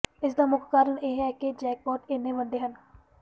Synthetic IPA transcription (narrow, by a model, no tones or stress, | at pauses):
ɪsd̪aːmʊkkaːɾəɳeːɦɛːked͡ʒɛːk̚pɔːʈeːnːẽːʋənd̪eːɦən